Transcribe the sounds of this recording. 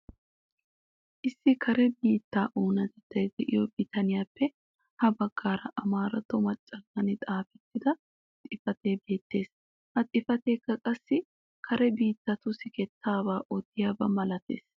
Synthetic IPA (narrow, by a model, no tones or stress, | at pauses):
ʔɪsːɪkʰɐɾɛbiːt̪ːaːʔuːnɐt̪ɛt̪ːɐjd̪ɛʔɪjɔbɪt̪ɐnɪjaːpːɛ | hɐbɐɡ̥ːaːɾɐ̰ʔɐmaːɾɐt̪ːɔmɐt͡ʃʼːɐɡɐnɪt̪ʼaːfɛt̪ːɪd̪ɐ | t̪ʼɪfɐt̪e̞ːbe̞ːt̪ːe̞ːs | hɐt̪ʼɪfɐt̪e̞ːkːɐkʼɐsːɪ | kʰɐɾɛbiːt̪ːɐt̪ʊsɪkɛt̪ːaːbaːʔɔt̪ːɪjaːbɐmɐlɐt̪ḛːs